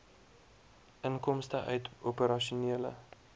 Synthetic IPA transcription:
ʔəŋkɔmstəʔœ̰ɥtupəɾɐʃuniələ̰

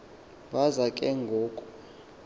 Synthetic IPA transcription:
ɓazakʼɛŋɡʱoːkʼɔ

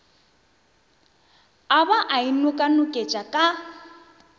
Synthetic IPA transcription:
abaʔainʊkʼanʊkʼet͡ʃʼakʼa

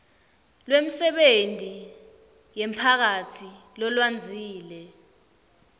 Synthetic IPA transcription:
lwem̩sɛɓentʼi | jɛmpʰak̬atʰi | lɔlwand͡zʱiːlɛ

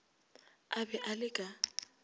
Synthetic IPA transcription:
abɛʔalɪkʼa

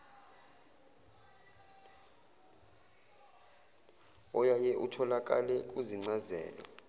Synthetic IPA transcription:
ɔjajɛʔutʰɔlak̬ʼa̰lɛk̬ʼuziŋ͡ǀazɛ̰ːlɔ̰

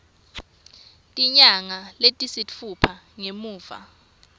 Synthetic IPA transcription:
tʼiɲaŋaletʼisitfupʰa | ŋemuːva̰

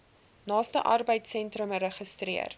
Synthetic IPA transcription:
nɑːstəʔɐrbəjtsɛntrəməɾəχəstriə̰r

